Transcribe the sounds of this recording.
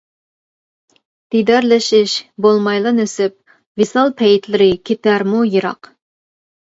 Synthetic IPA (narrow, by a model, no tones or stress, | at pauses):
d̪̥id̪æɾlɪʃɪʃbolˠmɑjlˠɑnøsɪp̚ | visɑlˠpʰɛjɪt̪ʰlɪɾɪkʲʰet̪æɾmujɨɾɑ̰q